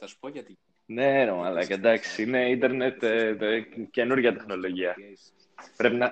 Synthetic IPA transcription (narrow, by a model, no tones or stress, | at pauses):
s | ne̞ɾomɐlɐked̪ɐksiine̞ind̪e̞ɾnet̪ | ce̞nuɾʝɐt̪e̞xno̞lo̞ʝiɐ | pɾe̞pinɐ